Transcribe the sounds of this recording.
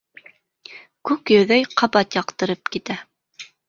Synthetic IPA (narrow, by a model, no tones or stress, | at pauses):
kʉkjɵ̆ðæjqʰɑbɑt̪jɑqt̪ɤ̆ɾɤpkit̪æ